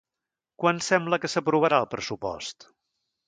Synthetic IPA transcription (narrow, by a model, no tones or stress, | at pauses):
kwansɛmbləkəsəpɾuβ̞əɾaəlˠpɾəsupɔ̰st̪